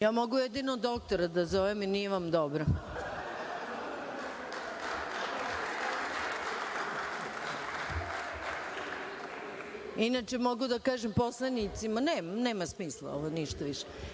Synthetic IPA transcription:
jaːmoɡujed̪inod̪o̞k̚t̪oɾad̪azoʋeminijeʋamd̪obɾo | inat͡ʃemo̞ɡud̪akaːʒempo̞slˠanit̪simaneːmneːmasmiːslˠa̰o̰ʋoniʃt̪aʋiʃe̥

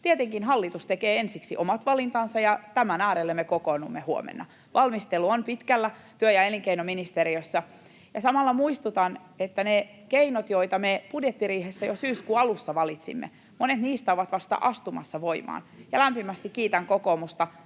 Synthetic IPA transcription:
t̪iet̪eŋkinɦɑlːit̪ust̪ekeːensiksiʔomɑt̪ʋɑlint̪ɑnsɑjɑt̪æmænæːɾelːemːekokonumːehuo̰mḛnːɑ̰ | ʋʔɑlmist̪elːuonpit̪kælːæt̪yøjɑeliŋkeinominist̪eɾiøsːɑ | jɑsɑmɑlːɑmuist̪ut̪ɑn | et̪ːæne | keinot̪joit̪ɑmepudjet̪ːiriːhesːæjosyːskuːɑlusːɑʋɑlit̪sḭmːḛ | monet̪niːst̪æoʋɑt̪ʋɑst̪ɑ̰ʔɑst̪umɑ̰sːɑʋoimɑ̰ːnjɑlæmpimæst̪ikkiːt̪æŋkokoːmust̪ɑ

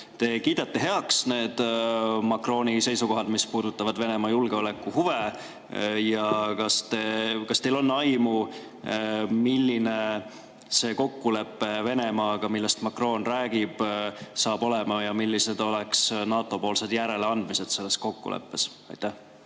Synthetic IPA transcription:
t̪e̞kiːd̪̥ɑt̪ːe̞ɦe̞ɑksne̞ːd̪̥mɑkro̞ːnʲise̞jsuko̞ɦɑd̪mispuːd̪ut̪ːˑɑvɑd̪ve̞ne̞mɑjulɡ̥e̞o̞le̞kːˑuhuve̞ | jɑkɑst̪ekɑst̪e̞jlo̞nːɑjmu | milːine̞ | se̞ko̞kːule̞pːe̞ve̞ne̞mɑːɡ̥ɑmilːest̪mɑkro̞ːnræːɡ̥ib̥sɑːb̥o̞le̞mɑjɑmilːise̞d̪o̞leksnɑːt̪ːˑo̞po̞ːlse̞d̪jæɾe̞leɑnd̪̥mise̞d̪̥se̞lːe̞sko̞kːṵlḛpːe̞s | ɑ̰jt̪ːˑæh

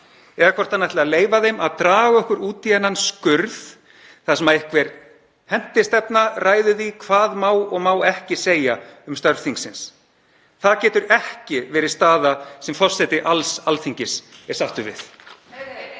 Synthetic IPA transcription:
ɛðakʰvɔr̥t̪ʰanat̪ʰɪlɪaleːjvaðejmaðt̪ɾaːɣɔhkʏɾuːt̪iɛnːanskʏɾð | θasɛmaðɛhkvɛɾ̥ | hɛn̥t̪ɪst̪ɛpnarʔaːjðʏðikʰvaːðmaːwɔɣmaːwɛhcɪseːjaʏmst̪œɾvθiŋksɪns | θaðcɛːt̪ʏɾɛhcɪvɛːɾɪðst̪aːðasɛmfɔ̥sɛt̪ɪʔalsalθiɲcɪsɛɾ̥saht̪ʏvɪ̰θ

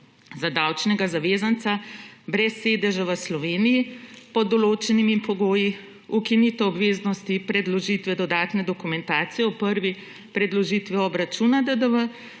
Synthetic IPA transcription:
zad̪aːwt͡ʃnɛɡazaʋeːzant̪sabɾɛsːeːd̪ɛʒaʋəslɔʋeːnijipɔd̪ɔloːt͡ʃɛnimimpɔɡoːji | ukinit̪ɔɔbʋeːznɔst̪ipɾɛd̪lɔʒit̪ʋɛd̪ɔd̪aːt̪nɛd̪ɔkumɛnt̪aːt̪sijɛɔpəɾʋi | pɾɛd̪lɔʒit̪ʋiɔbɾat͡ʃunad̪əd̪əʋə

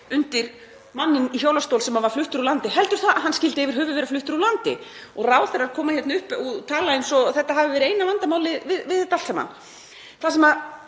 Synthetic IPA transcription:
ʏnt̪ɪɾ̥ | manːɪniçowlast̪owlsɛmavaɾ̥flʏht̪ʏɾulant̪ɪɦɛlt̪ʏɾ̥θaaðɦanːscɪlt̪ɪɛvɪɾ̥ɦœːvʏðvɛɾaflʏht̪ʏɾalant̪ɪ | ɔɣraːwθɛɾaɾkʰɔːmaçjɛt̪naʏhpɔt̪ʰaːlaejnsɔθɛht̪ːaɦavɪvɛːɾɪeːjnavant̪amaːwlɪvɪðvɪðt̪alsama̰n | θasɛmað

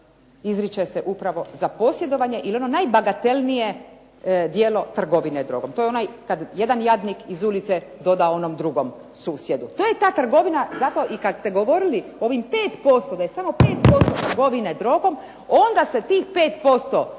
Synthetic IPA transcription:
izɾit͡ʃeseʔupɾaʋo̞zapo̞sje̞d̪o̞ʋaɲe̞ʔilio̞no̞najbaɡat̪e̞lnije̞ | d̪jeːlo̞t̪r̩ɡo̞ʋined̪ɾo̞̰ɡo̞mt̪o̞jonajkad̪jed̪anjad̪nikizulit̪sed̪o̞d̪ao̞nomd̪ɾuɡo̞m | suːsje̞d̪ut̪oːjet̪aːt̪r̩ɡo̞ʋinazat̪o̞ʔikad̪st̪e̞ɡo̞ʋo̞ɾilioʋimpe̞ːt̪po̞st̪od̪ajesamo̞pe̞ːt̪po̞st̪ot̪ɾɡo̞ʋined̪ɾo̞ɡo̞m | ond̪ase̞t̪iːxpe̞ːt̪po̞st̪o

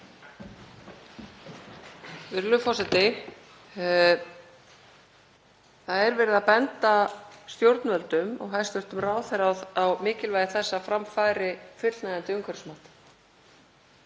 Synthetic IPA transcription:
vɪɾlʏfɔsɛt̪ɪ | θaðɛɾvɛɾɪðapɛnt̪ast̪jowɾt̪nvœlt̪ʏmɔ̰ɣɦaðst̪ʏr̥t̪ʏmraːwθɛɾawawmɪːcɪlvajðɪθɛsːafɾamfajɾɪfɪnajðant̪ɪʏŋkʰvɛɾɪ̥smat̪

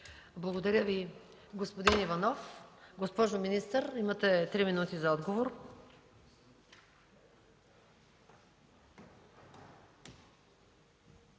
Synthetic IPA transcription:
blˠɐɡod̪ɐɾʲjəvi | ɡospod̪inivɐnɔfɡospɔʒominist̪əɾimɐt̪ɛt̪ɾiminut̪izɐɔd̪ɡovoɾ

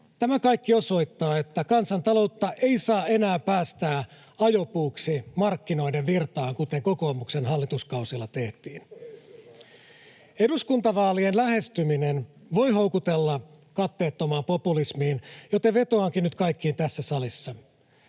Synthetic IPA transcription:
t̪æmækɑjkːio̞so̞it̪ːɑːe̞t̪ːækɑnsɑnt̪ɑlo̞wt̪ːɑʔeisɑːe̞næːpæːst̪æː | ɑjopuːksimɑrkːino̞ideʋʋirt̪ɑːŋkut̪e̞ŋko̞ko̞ːmuksenɦɑlːit̪uskɑusilːɑt̪e̞ht̪iːn | e̞ɾuskunt̪ɑʋɑːlienlæhe̞st̪yminen | ʋo̞jɦowkut̪elːɑ | kɑt̪ːe̞ːt̪ːomɑːmpo̞pulismiːnjot̪eʋʋe̞t̪oɑŋkinyt̪kɑjkːiːnt̪æsːæsɑlisːɑ

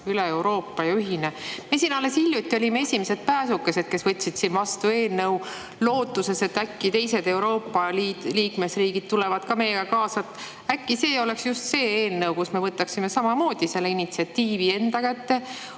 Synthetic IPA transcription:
yleewɾo̞ːpːˑɑjɑyɦinemesinɑle̞silʲjut̪ʲːˑio̞lʲimee̞sʲimese̞d̪̥̚pæːsukːe̞se̞d̪̥̚ke̞svɤt̪ʲːˑsid̪̥sinvɑst̪ue̞ːlnɤw | lo̞ːt̪ːˑuse̞se̞t̪ːækːit̪e̞jse̞d̪e̞wɾo̞ːpːɑliliːkme̞sriːɡ̥id̪̥̚t̪ulevɑd̪̥kɑme̞jeɡɑkɑːsɑt̪ | ækːise̞ːo̞le̞ksjust̪se̞ːeːlnɤwkusme̞vɤt̪ːˑɑksime̞sɑmɑmo̞ːd̪̥ise̞lːeinit̪siɑt̪ːiːvie̞nd̪ɑkæt̪ːe̞

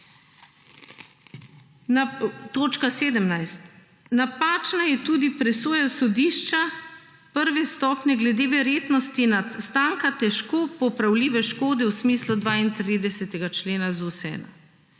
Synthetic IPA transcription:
nt̪oːt͡ʃkaseːd̪əmnajst̪ | napaːt͡ʃnajɛt̪uːd̪ipɾɛsoːjasɔd̪iːʃt͡ʃa | pəɾʋɛst̪ɔːpnɛɡlɛd̪eʋɛɾjeːt̪nɔst̪inat̪st̪aːŋkat̪ɛʃkoːpɔpɾawliːʋɛʃkoːd̪ɛwsmiːslud̪ʋaint̪ɾiːd̪ɛsɛt̪ɛɡat͡ʃleːnazusɛ̰ːna̰

